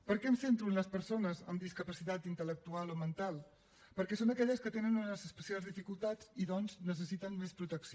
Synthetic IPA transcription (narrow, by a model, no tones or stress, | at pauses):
pəɾkɛnsent̪ɾunləspəɾsonəzə̰md̪iskəpəsit̪at̪int̪ələk̚t̪ualˠomənt̪alˠ | pəɾkɛsonəkɛʎəskət̪enənunəzəspəsialˠzðifikulˠt̪ad͡ziðɔnznəs̬əsit̪ənmespɾut̪əksio